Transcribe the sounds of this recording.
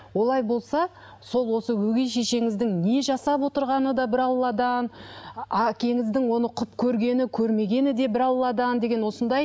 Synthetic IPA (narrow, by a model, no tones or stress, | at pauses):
wo̞lˠɑjbo̞lˠsɑ | so̞lˠwo̞səwɵɡʲe̞ʃe̞ʃe̞ŋɪzd̪ɪŋne̞ʒɑsɑpwo̞t̪əɾʁɑnəd̪ɑbɪɾɑlˠːɑd̪ɑnɑkʲe̞ŋɪzd̪ɪŋwo̞nəqʰʊpkʲʰɵɾɡʲe̞nɪkʲʰɵɾme̞ɡʲe̞nɪd̪e̞bɪɾɑlˠlːˠɑd̪ɑnd̪e̞ɡʲe̞nwo̞sənd̪ɑj